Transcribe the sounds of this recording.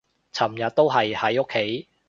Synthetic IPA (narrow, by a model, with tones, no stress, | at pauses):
t͡sʰɐ˨˩mjɐ˨t̚t̪o˥wɦɐ˨jhɐ˨˥jo˥kʰːe˨˥j